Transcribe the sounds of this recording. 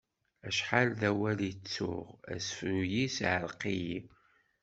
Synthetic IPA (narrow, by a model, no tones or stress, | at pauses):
æʃħalðæwælit͡sːʊ̰ʁæ̰sfnujisʕəɾqiji